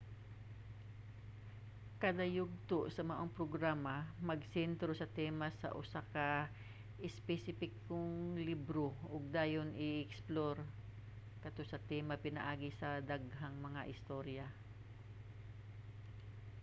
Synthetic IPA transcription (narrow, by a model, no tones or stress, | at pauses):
kɐd̪ɐjʊɡ̚t̪oʔsɐmɐʔoŋpɾoɡɾaːmɐmɐɡsɛnt̪ɾosɐt̪ɛmɐsɐ̰ʔʊsakɐ | ʔɪspɛsɪpɪkːoŋlibɾoʔʊɡ̚d̪aːjonʔɪʔɛksploɾ | kɐt̪osɐt̪ɛmɐpɪnɐ̰ʔaːɡɪsɐd̪aɡɦaŋmɐŋaʔɪst̪o̞ɾja